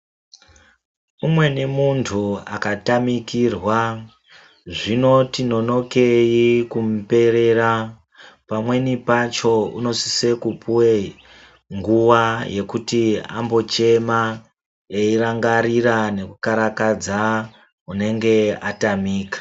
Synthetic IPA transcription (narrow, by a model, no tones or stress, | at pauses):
umwe̞nemuntʰua̰katamikirwa | ʐino̞tino̞no̞ke̞jikumpe̞ɾe̞ɾa | pamwe̞nipat͡ʃo̞uno̞si̥se̞kupuwe | ŋɡuwaje̞kutia̰mbo̞t͡ʃe̞ma | eiraŋɡaɾiɾane̞kukaɾakad͡za | une̞ŋɡe̞atamiːkḁ